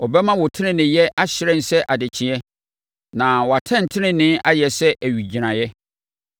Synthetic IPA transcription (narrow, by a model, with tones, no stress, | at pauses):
ɔ˨bɛ˦mã˦wɔ˨tʰɪ˦nɪ̃˦nɪ̃˨jɛ˦ʔa˦ɕɪ˦ɾɛ̃˦n̩˨sɛ˦ʔa˨dɪ˨t͡ɕʰɪ̃˨ɛ˦ | nã˨wɔ˨a˨tʰɛ̃˦n˨tʰɪ˦nɪ̃˦nɪ̃˦ʔa˦jɛ˨sɛ˦ʔæ˨ɥi˨d͡ʑi˨ɾã˨jɛ˦